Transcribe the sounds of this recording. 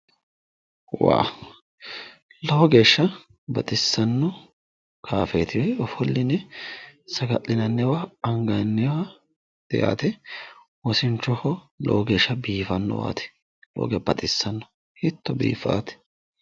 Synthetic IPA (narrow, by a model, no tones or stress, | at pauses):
wa̰ː | lɔwɔɡe̞ːʃːɐ | bɐt̪ʼɪsːɐnːɔ | kʰaːfɛt̪ʰɪwɔjɔfɔlːɪnɛ | sɐɡɐʔɪnɐnːɛwaɐŋɡɐnːɛwa | d̪̥ɛja̰ːt̪ɛ | wɔsɪnt͡ʃːɔhɔ | lɔ̰wɔɡe̞ːʃːɐbiːfɐnːɔ̰wa̰ːt̪ɛ̥ | lo̰ːɡɛbɐt̪ʼɪsːɐnːɔ̥ | hɪt̪ːɔbḭːfa̰ːt̪ɛ̥